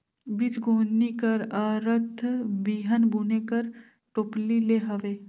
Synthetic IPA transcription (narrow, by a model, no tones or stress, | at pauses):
bit͡ʃɡʱoːnikɐɾaɾət̪ʰbiːɦənbuːnekɐɾ | ʈoːplileːɦɐʋeː